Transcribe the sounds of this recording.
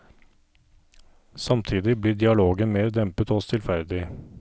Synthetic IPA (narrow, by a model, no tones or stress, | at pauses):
sɑmt̪ʰiːd̪ɪbliɖ̪ɪɑloːɡənmeːɾd̪ɛmpət̪ɔst̪ʰɪlfæɾd̪ɪ